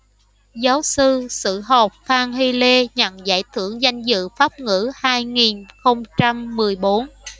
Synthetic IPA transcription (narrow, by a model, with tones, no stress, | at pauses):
zaː˨˦wsɨ˧sɨ̰˧˨ɦɔ˨˩p̚faː˧ŋhi˧le˧ɲə̰˧˩nza̰ː˧˩jt̪ʰɨ˧˩əŋza˧jŋ̟zɨ̰˧˨faː˦˥p̚ŋɨ̰˧˥haː˧jŋi˨˩nxə˧wŋ͡mt͡ɕa˧mːɨ˨˩əjɓo˨˦n